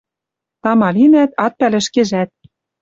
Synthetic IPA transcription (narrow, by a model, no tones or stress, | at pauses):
t̪ɑmɑlinæt̪ɑt̪̚pælɘ̆ʃkĕʒæt̪̚